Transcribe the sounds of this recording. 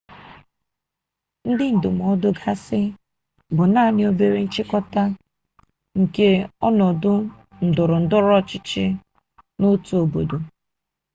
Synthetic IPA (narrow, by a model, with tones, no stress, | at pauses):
n̩˦dɪ˦n̩˨dʊ˨m˨ɔ˦dʊ˦ɡa˦sɪ˦ | bʊ˨na˦˨ɲɪ˦o˦be˦ɾe˦n̩˦t͡ʃɪ˦kɔ˦ta˦ | ŋ̩˨ke˦ɔ˦nɔ˨dʊ˦ | n̩˨dʊ˨ɾʊ˨n̩˨dʊ˦ɾɔ˦t͡ʃɪ˦t͡ʃɪ˦ | nʊ˦tu˨˦o˨bo˨do˨